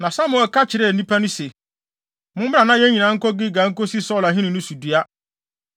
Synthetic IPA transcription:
nã˨sa˦mʊ̃˨ɛ˨lka˦t͡ɕʰɪ˨ɾɪ˦˨nĩ˦pʰa˦nʊ̃˦se˨ | mʊ̃˦m˦ba˨nã˦jɛ˦ɲĩ˨nã˨˦ŋ̩˦kɔ˦ɡɪ˦ɡa˨˦ŋ̩˦kɔ˦si˦sɔ˦la˨ɦɪ̃˦nʊ̃˨nʊ̃˦su˨di˦a˦

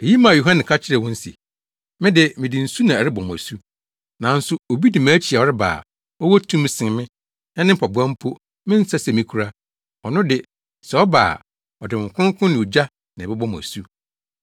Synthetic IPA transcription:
e˨ji˦mã˨jo˨ɦã˦nɪ̃˨kʰa˦t͡ɕʰɪ˦ɾɛ˨wʊ̃˦n̩˦sḭ˨ | mɪ̃˦dɪ˦mɪ̃˨dɪ˨n̩˨su˦nã˨ɛ˨ɾɪ˦bɔ̃˨m˨æ̰˨su˦ | nã˨n̩˦sʊ˨o˨bi˦dɪ˨mãː˦t͡ɕʰi˨a˨ɔ˨ɾɪ˦ba̰ː˨ | ɔ˦wɔ˦tʰũ˦m˦sɪ̃˨n˨mɪ̃˦ | ɛ˦nɪ̃˦m˦pʰɔ˨bʊ˨˦ã˦m̩˦pʰo˦ | mɪ̃˦n̩˦sa˦sɛ˨mĩ˦kʰu˨ɾa˦ | ɔ˨nʊ̃˦dɪ˨ | sɛ˨ɔ˦ba̰ː˨ | ɔ˨dɪ˨ɪ̃˨ŋ̩˨kʰʊ̃˦kʰʊ̃˦nɪ̃˨d͡ʑa˦ | nɪ̃˨bɛ˦bɔ˦m˨æ̰˨su˦

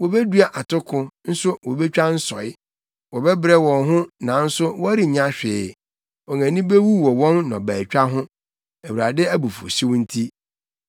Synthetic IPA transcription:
wɔ˨be˦du˦a˨ʔa˨tʰʊ˦kʰʊ̃˦n̩˦sʊ˦wɔ˨bɛ˦t͡ɕᶣa˦n̩˦sɔ˨ɪ˦ | wɔ˨bɛ˦bɾɛ˦wɔ̃˨nɦʊ̃˦nã˨n̩˦sʊ˦wɔ˦æ˦ɾi˨ɲã˦ɕᶣɪː˨˦ | ɔ˨ŋã˨nĩ˦be˦wu˦wɔ˨wɔ̃˦nːɔ̃˨bæː˨t͡ɕᶣa˦ɦʊ̃˦ | æ˨wu˨ɾa˨dɪ˦æ˦bu˨fo̰˨ɕi˦wʊ̃˦n̩˦tʰi˦

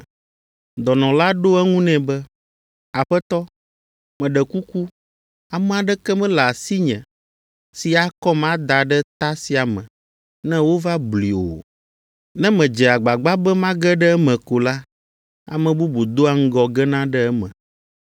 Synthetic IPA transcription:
d̪ɔ˨nɔ̃˨la˦ɖo˦ɛ˦ŋũ˦nɛ̃˨bɛ˦ | a˨ɸɛ˦t̪ɔ˦ | mɛ̃˨ɖɛ˨ku˦ku˦ | a˨mɛ̃˦a˨ɖɛ˦kɛ˦mɛ̃˦la˨si˦ɲɛ̃˨ | si˨a˨kɔ˦mã˦d̪a˨ɖɛ˦t̪a˦si˨a˨mɛ̃˨ | nɛ̃˦wo˦va˦bli˨o̰˨ | nɛ̃˦mɛ̃˨d͡ʒɛ˨a˨ɡ͡ba˨ɡ͡ba˦bɛ˦mã˦ɡɛ˦ɖɛ˦ɛ˦mɛ̃˨ko˨la˦ | a̰˨mɛ̃˨bu˦bu˨d̪o˦a˨ŋ̩˦ɡɔ˨ɡɛ˦nã˦ɖɛ˦ɛ˦mɛ̰̃˨

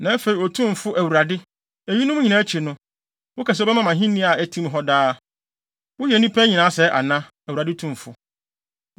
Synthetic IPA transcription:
nã˨˦æ˦fe˨i˨ɔ˨tʰũ˦m˨fʊ˦ʔæ˨wu˨ɾa˨dɪ˦ | æ˨ɲi˦nʊ̃˦ɲĩ˨nã˨˦æ˦t͡ɕʰi˨nʊ̃˦ | wʊ˦kʰa˨s̬ɛ˦bɛ˦mã˨mã˨ɦĩ˦nĩ˦a˨æ˦tʰĩ˦mɦɔ˦daː˦ | wʊ˦jɛ˨˦nĩ˦pʰɛ˦ɲĩ˨nã˨˦sɛ˦ʔa̰˨nã˦ | æ˨wu˨ɾa˨dɪ˦tʰũ˨m˨fʊ˦

